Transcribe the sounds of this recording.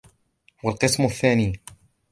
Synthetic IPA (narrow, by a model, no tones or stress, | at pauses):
walqɨsmʊθːaːniː